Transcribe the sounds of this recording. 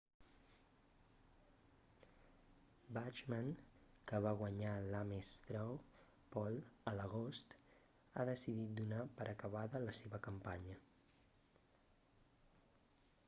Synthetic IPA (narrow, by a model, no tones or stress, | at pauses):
bat͡ʃmaŋ | kəβaɣwəɲalamest̪ɾɔw | pɔlˠələɣost̪ | a̰ðəsiðit̪̚d̪unapəɾʔəkəβ̞aðələseβəkəmpaɲə